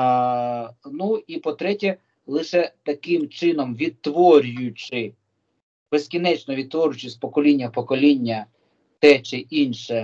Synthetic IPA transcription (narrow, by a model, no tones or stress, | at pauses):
nuipɔt̪ɾɛtʲɛ | lˠɪʃɛt̪ɐkɪmt͡ʃɪnɔmʋʲid̪̚t̪ːʋɔɾʲʊjʊt͡ʃɪ | besʲkʲinɛt͡ʃnɔʋʲid̪̚t̪ʋɔɾʲjʊt͡ʃɪsʲpɔkɔlʲinʲːɐpɔkɔlʲinʲːɐ | t̪ɛt͡ʃɪʔinʃɛ